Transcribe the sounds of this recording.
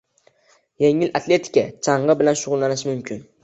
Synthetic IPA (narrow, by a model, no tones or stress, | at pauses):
je̞ŋɪlat̪ʰlʲe̞t̪ʰɪ̥kʲat͡ʃʰɑɴɢɑbɪlanʃʊʁʊlˠlanɪʃmʊmkʰʲɪn